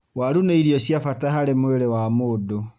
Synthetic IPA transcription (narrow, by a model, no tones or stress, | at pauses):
waɾuneiɾiɔɕjafataɦaɾemoeɾewamodo